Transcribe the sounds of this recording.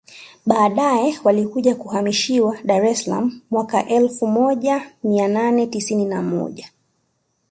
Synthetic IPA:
ɓaːɗajɛwalikuʄakuhamiʃiwaɗaɾɛsala̰m̩ːwaka̰ʔɛlfumɔʄamiananɛtisininamɔ̰ʄa

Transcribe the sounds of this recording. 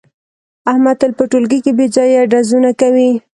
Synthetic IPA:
ahmad̪̚t̪alpəʈolɡikebed͡ʒɑjaɖazunakawi

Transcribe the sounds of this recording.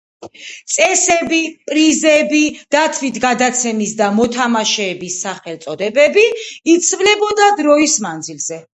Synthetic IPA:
t̪sʼɛsɛbipʼɾizɛbid̪̥at̪ʰvit̪ʰɡad̪at̪sʰɛmisd̪amɔt̪ʰamaʃɛːbisːaχɛlt̪sʼɔd̪ɛbɛbiit̪sʰvlɛbɔd̪ad̪ɾɔismand̪zilz̥ɛ

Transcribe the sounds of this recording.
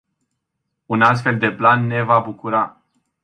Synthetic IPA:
unast̪fe̞ld̪e̞planːe̞vabukuɾa

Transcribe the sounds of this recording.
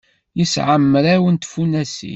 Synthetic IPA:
jəsʕəmːɾæwənt̪funæsḭ

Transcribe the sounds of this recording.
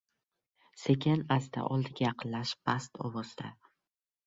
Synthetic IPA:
se̞kʲanazd̪a̰ʔɒlˠd̪ɪɡʲajɑqʰɨllaʃpʰast̪ʰɒ̰wɒzd̪a

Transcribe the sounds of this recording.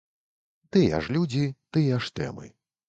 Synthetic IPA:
t̪ɨja̰ʂlʲud͡zʲit̪ɨjaʂt̪ɛ̰mɨ̰

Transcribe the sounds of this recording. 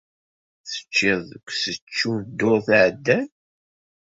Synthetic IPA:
θə̥t͡ʃːɪðˤkʷsət͡ʃːund̪ʊɾθʕəd̪ːæn

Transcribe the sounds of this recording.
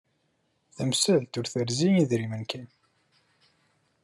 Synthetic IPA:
θæmsəlt̪ʊɾθəɾziiðɾimənkæn

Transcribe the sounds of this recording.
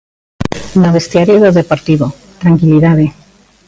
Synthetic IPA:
noβest̪jaɾjoðoðepoɾt̪iβo | t̪ɾaŋkiliðaðe

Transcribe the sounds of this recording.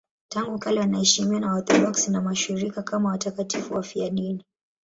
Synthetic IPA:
taŋɡukalɛwanaɛʃimiwanawɔθɔdɔksinamaʃiɾikakamawatakatifuwafianini

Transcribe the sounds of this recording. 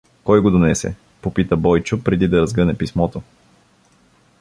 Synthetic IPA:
kɔjɡod̪onɛsɛ̰ | popit̪əbɔjt͡ʃʊpɾɛd̪id̪ɐɾɐzɡənɛpismɔt̪o

